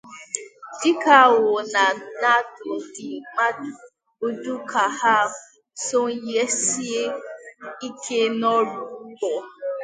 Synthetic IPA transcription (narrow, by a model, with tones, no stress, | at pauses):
dɪ˦ka˦˨wo˨na˨na˦˨to˨dɪ˨ŋ͡ma˦du˨ | o˦du˦kʰa˨ha˦˨ | so˦ŋ̩˦je˦si˦e˦ | i˦kʰe˦nɔ˦ɾu˦ɡ͡bɔ˨